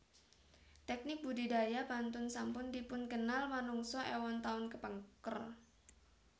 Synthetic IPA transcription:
t̪ɛk̚nɪk̚budidajapant̪ʊnsampʊndipʊnkənalmanuŋsɔʔewɔnt̪aʊnkəpəŋkər

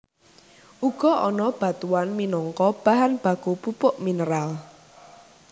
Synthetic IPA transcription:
ʔuɡ̥ɔ̤ʔɔnɔb̥a̤t̪uwanminɔŋkɔb̥a̤ɦanb̥a̤kupupʊʔminəɾal

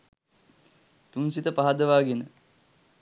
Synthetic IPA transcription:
t̪unsit̪əpaɦad̪əʋaːɡenə

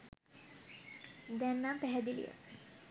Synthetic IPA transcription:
d̪ænːampæɦɛd̪ilḭjə̰

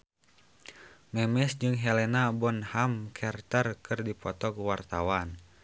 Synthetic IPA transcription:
mɛmɛsd͡ʒɨŋɦɛlɛnabɔnhamkʰɛrt̪ərkʰɨrdipɔt̪ɔkwart̪awan

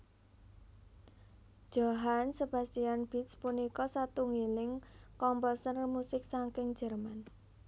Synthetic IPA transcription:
d̥ʒ̥oɦansəb̥a̤st̪ianb̥i̤t̪spunikɔsat̪uŋilɪŋkɔmpɔsənmusɪk̚saŋkɪŋ̥d͡ʒ̥ɛ̤rman

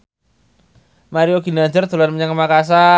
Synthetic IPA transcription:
maɾioɡinad͡ʒərt̪ulanməɲaŋkəmakas̬a

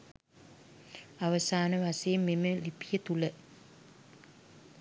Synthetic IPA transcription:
aʋəsaːnəʋasejːmːeməlipijət̪ulə

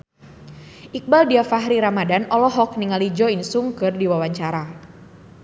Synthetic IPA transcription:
ʔik̚baldiafaɦɾiɾamadanɔlɔɦɔk̚niŋalid͡ʒɔinsuŋkɨrdiwawaɲt͡ʃaɾa

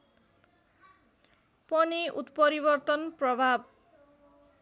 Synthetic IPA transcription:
pʌniʔut̪pʌɾibʌrt̪ʌnprʌbʱab̚

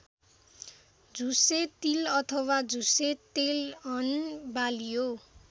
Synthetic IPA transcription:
d͡zuset̪ilʌt̪ʰʌwad͡zuset̪elʌnbaljo

